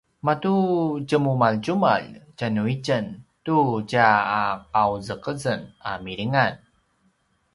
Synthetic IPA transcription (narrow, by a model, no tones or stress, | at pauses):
matud͡ʒəmumalt͡ʃuma̰ld͡ʒanuit͡ʃəntut͡ʃaːq̚awzəkəzəna̰miɾiŋan